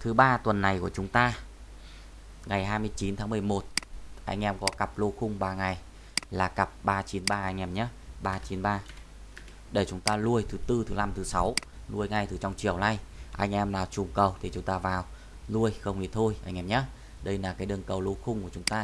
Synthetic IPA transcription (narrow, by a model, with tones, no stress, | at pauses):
t̪ʰɨ˨˦ɓaː˧t̪wə˨˩nːa˨˩jku˧˩ət͡ɕʊ˨˦ŋ͡mt̪aː˧ | ŋa˨˩jɦaː˧jmɨ˧əjt͡ɕi˨˦nt̪ʰa˨˦mɨ˨˩əjmo˨˩t̚ʔa̰˧jŋ̟ʔɛ˧mkɔ˨˦ka˨˩p̚lo˧xʊ˧ŋ͡mɓaː˧ŋa˨˩j | laː˨˩ka˨˩p̚ɓaː˧t͡ɕi˨˦nɓaː˧ʔa˧ŋʔɛ˧mɲa˦˥ɓaː˧t͡ɕi˨˦nɓaː˧ | ɗə˧˩jt͡ɕʊ˨˦ŋ͡mt̪aː˧lu˧əjt̪ʰɨ˨˦t̪ɨ˧t̪ʰɨ˨˦la˧mt̪ʰɨ˨˦sa˨˦wlu˧əjŋa˨˩jt̪ʰɨ˨˩t͡ɕɔ˧wŋ͡mt͡ɕi˧˩əwna˧˩jʔa˧jŋ̟ʔɛ˧mlaː˨˩t͡ɕʊ˨˩ŋ͡mkə˨˩wt̪ʰi˨˩t͡ɕʊ˨˦ŋ͡mt̪aː˧vaː˨˩w | lu˧əjxə˧wŋ͡mhi˧˩t̪ʰo˧jʔa˧ŋ̟ʔɛ˧mɲa˦˥ | ɗə˧jlaː˨˩kaː˨˦jɗɨ˨˩əŋkə˨˩wlo˧xʊ˧ŋ͡mku˧˩ət͡ɕʊ˨˦ŋ͡mt̪aː˧